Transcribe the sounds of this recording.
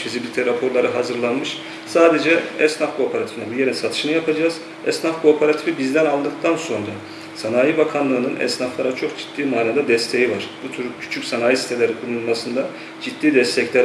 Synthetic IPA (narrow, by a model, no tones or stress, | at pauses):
izibilʲit̪ʰɛɾapʰo̞ɾlˠaɾɯɦazɯɾlˠanmɯʃ | saːd̪ed͡ʒɛɛsnafkʰo̞ːpʰeɾat̪ʰi̥finɛbije̞ɾinsat̪ʰɯʃɯnɯjapʰad͡ʒaːz̥ | ɛsnafkʰo̞ːpʰeɾat̪ʰifibizd̪ɛnalˠd̪ɯk̚t̪ʰanso̞nɾa | sanaːjibakʰanlˠɯːnɯnɛ̰snaflˠaɾat͡ʃʰo̞kd͡ʒi̥t̪̚ːiːmaːnad̪ad̪ɛst̪ʰe̞jivaɾ̥b̥ut̪ʰyɾcʰy̥t͡ʃʰycʲsanaːjisi̥t̪ʰelʲeɾikʰulˠulˠmasɯnd̪a | d͡ʒit̪d̪ːiːd̪ɛst̪ʰɛclʲæɾ